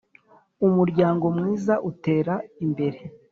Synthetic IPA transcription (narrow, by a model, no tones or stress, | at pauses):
umuɾɟaːŋɡo̞mŋiːzaʔute̞ːɾaimbe̞ɾe